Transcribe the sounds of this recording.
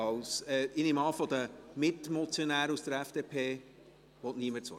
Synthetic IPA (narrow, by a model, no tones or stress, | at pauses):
ɑlsɛɪnɪmɑːfɔd̥̪əmɪtmɔt͡sjonæːɾəusd̥̪əɾæfd̥epʰeː | ʋɔtniəmət͡sɔ̰